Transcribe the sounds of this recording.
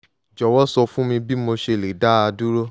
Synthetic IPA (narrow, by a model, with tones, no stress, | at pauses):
d͡ʒɔ˨wɔ˦sɔ˧fũ˦mĩ˧bi˦mo˧ʃe˧˦˨le˨da˦a˧du˦ɾo˦